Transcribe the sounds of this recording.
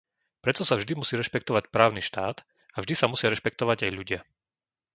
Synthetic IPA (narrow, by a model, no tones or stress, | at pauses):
pɾɛt̪ɔsavʒd̪imusiːɾɛʃpɛkt̪ɔʋacpɾaːʊniʃt̪aːt̪ | avʒd̪isamusɪaɾɛʃpɛk̚t̪ɔʋaɟajʎuɟɪa